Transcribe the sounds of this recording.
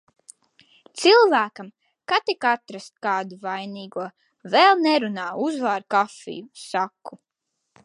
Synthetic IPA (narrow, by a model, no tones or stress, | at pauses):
t̪silˠvæːkam | kat̪ikat̪ɾast̪kaːd̪uvajniːɡuɔ | vɛlˠnɛɾunaːuzvaːɾkafḭjusakːu